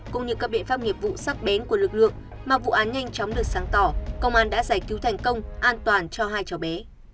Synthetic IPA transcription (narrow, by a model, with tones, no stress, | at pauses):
kʊ̰˧˥ŋ͡mɲɨ̰˧˥kaː˦˥p̚ɓḭ˧˨ənfaː˧mŋi˨˩əp̚vṵ˧˨sa˦˥k̚ɓe˨˦nku˧˩əlɨ˨˩k̚lɨ̰˧˨əŋ | maː˨˩vṵ˧˨ʔaː˨˦nɲa˧jŋ̟t͡ɕɔ˨˦wŋ͡mɗɨ˨˩ək̚saː˨˦ŋt̪ɔ˧˩kə˧wŋ͡mʔaː˧˩nɗa̰ː˧˥zaː˧˩jki˨˦wt̪ʰɛ˨˩jŋ̟kə˧wŋ͡mʔaː˧nt̪waː˨˩nt͡ɕɔ˧ɦaː˧jt͡ɕɔ˨˩ɓe˨˦